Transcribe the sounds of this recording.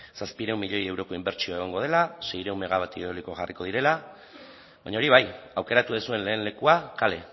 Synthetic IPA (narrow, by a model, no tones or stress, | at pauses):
saspiɾewmːiʎe̞je̞wɾo̞ko̞imbe̞ɾt͡ʃioeɣ̞oŋɡo̞ð̞e̞lase̞jɾewmːe̞ɣ̞aβat̪ioliko̞ʝarʔiko̞ð̞iɾe̞la | βaɲao̞ɾiβ̞ajawke̞ɾat̪uðesue̞nle̞ːnle̞kuakale̞